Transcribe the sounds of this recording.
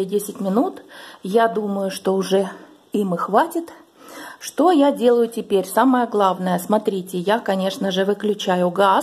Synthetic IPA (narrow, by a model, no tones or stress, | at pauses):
dʲesʲɪtʲmʲɪnut̪jad̪uməjʊʂt̪oʊʐɛ | imɨxvatʲɪt̪ | ʂt̪ojadʲe̞lˠəjʊtʲɪpʲeɾʲsaməjəɡlˠavnəjəsmɐt̪ɾʲitʲɪjakɐnʲe̞ʂnəʐɨvɨklʲʉt͡ɕæjʊɡa